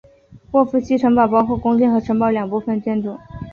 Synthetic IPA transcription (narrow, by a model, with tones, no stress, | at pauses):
wɔ˥˧fu˥˩ɕʰi˥ʈ͡ʂʰɤ˧˥ŋpɑ˨˩ʊpɑ˥ʊxu˥˩kʊ˥ŋt͡ɕɛ˥nxɤ˧˥ʈ͡ʂʰɤ˧˥ŋpɑ˥˩ʊljɑ˨˩ŋpu˥˧fə˥˧nt͡ɕjɛ˥˧nʈ͡ʂʊ˥˩˦ŋ